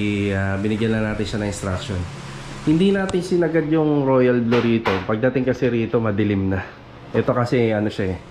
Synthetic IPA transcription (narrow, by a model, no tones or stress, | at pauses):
abɪnɪɡjɐnːɐnaːt̪ɪnʃanɐŋɪnst̪ɾak̚ʃo̞n | hɪnd̪inaːt̪ɪnsɪnɐɡad̪jʊŋɾo̞ːjɐlbloɾiːt̪o̞pɐɡ̚d̪at̪ɪŋkɐsɛɾiːt̪o̞mɐd̪ɪlɪmnɐ | ʔɛt̪o̞kɐsɛʔɐno̞ʃaɛ